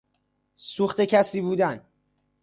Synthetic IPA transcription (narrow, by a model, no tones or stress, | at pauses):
suːxt̪e̞cʰæsiːbuːd̪æn